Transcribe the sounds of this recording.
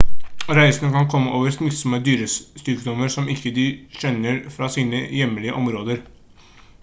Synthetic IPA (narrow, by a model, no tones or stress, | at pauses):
ɾæɪsənəkɑnkʰɔmːəʔoːʋəɾsnɪt̪sɔməd̪yːɾəst̪yːkd̪ɔməɾsɔmɪkːəd̪ɪɕɛnːəɾfɾɑsiːnəjɛmːəlɪə̰ʔɔmɾoːd̪əɾ